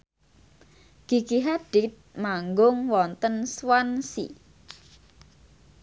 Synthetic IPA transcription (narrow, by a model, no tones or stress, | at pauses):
ɡ̥i̤ɡ̥iɦaɖ̥it̪̚maŋɡʊŋwɔnt̪ənswansḭ